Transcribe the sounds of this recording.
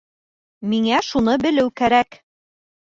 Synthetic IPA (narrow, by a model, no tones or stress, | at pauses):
miŋæʃunɤbɘ̆lɘwkæɾæk